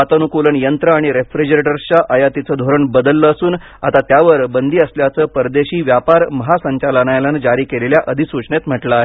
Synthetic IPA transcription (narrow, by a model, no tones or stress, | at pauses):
at̪ənukuləɳjənt̪ɾəaɽ̃iɾefɾid͡ʑɾeʈəɾt͡ɕaʔəjat̪it͡səd̪ʱoɾəɳbəd̪əlːəːsuːn | a̰t̪at̪jaʋəɾbənd̪ʱiːəsljat͡səːpəɾd̪eɕiːʋjapaɾməɦasəɲt͡ɕalənajland͡ʑaɾiːkeleljaʔəd̪ʱisut͡ɕɳet̪m̤əʈlae